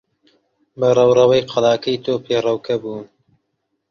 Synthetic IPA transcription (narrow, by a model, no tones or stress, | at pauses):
bɐrˤɐwrɐwɐjqʰɑlɑːkɐjt̪ʰoːpʰeːrɐwkʰɐbuːn